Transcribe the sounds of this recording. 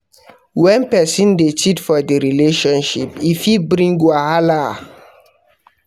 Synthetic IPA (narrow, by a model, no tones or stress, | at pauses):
wɛ̃npɛsĩndet͡ʃitfɔdiɾileʃɔ̃nʃipifibɾĩŋɡwahala